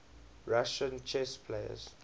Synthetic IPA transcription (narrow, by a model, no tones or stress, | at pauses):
ɹaʃə̃nt͡ʃʰɛspʰleə̰z